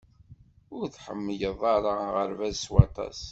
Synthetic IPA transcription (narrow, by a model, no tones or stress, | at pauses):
ʊɾθħə̰mːəjəðˤɑɾˤɑʁəɾvæzswɑt̪ˤɑ̰s